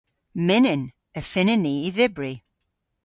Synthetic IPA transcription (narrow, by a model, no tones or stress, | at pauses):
mɪnɪn | əfɪnɪniiðɪbri